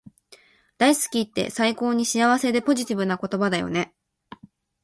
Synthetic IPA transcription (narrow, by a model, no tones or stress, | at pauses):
d̪̥aisɨ̥kʲiːt̪ːe̞̰saiko̞ːɲ̟iɕijaβ̞ase̞d̪e̞po̞ʑit̪ʲibɯ̟nako̞t̪o̞bad̪ajo̰ne̞